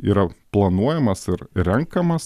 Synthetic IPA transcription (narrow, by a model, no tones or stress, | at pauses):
ḭːɾɐplˠɐnuɔjɛmɐsɪɾɾʲɛŋkɐmɐs